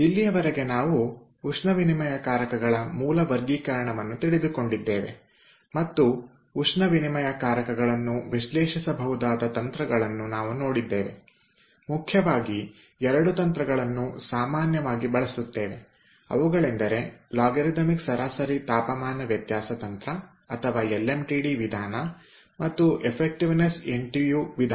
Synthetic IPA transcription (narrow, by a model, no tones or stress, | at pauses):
ilːijɐʋɐɾeɡe̞naːʋuː | ʂnɐʋinimɐjɐkaːɾɐkɐɡɐɭɐmuːlɐʋɐɾɡiːkɐɾɐɳɐʋɐnːut̪iɭid̪uko̞ɳɖid̪ːeːʋe̞̰ | mɐt̪ːuː | ʂnɐʋinimɐjɐkaːɾɐkɐɡɐɭɐnːuʋiʃlɛːʃisɐbʱɐɦud̪aːd̪ɐt̪ɐnt̪ɾɐɡɐɭɐnːunaːʋuno̞ːɽid̪ːe̞ːʋe̞̰ | mukʰjɐʋaːɡi | ɛɾɐɽut̪ɐnt̪ɾɐɡɐɭɐnːusaːmaːnjɐʋaːɡibɐɭɐsut̪ːe̞ːʋe | ɐ̰ʋuɡɐɭend̪ɐɾe̞laːɡeɾid̪ɐmiksɐɾaːsɐɾit̪aːpɐmaːnɐʋjɐt̪jaːsɐt̪ɐnt̪ɾɐ | ɐt̪ʰɐʋaːelːemʈiɽiʋid̪ʱaːnɐ | mɐt̪ːuʔepʰek̚ʈiʋneseɳʈijuːʋid̪ʱa